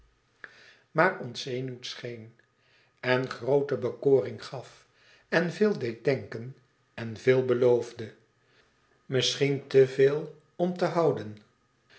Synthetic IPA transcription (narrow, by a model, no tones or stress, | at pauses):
maːrɔnsejnuwtsχejn | ɛnχrowtəbəkoːrɪŋχɑf | ɛnvɪːlˠdejt̚dɛŋkən | ɛnvɪːlˠbəlowvdə | mɪsχintəveːlˠ | ɔmtəɦɑwdən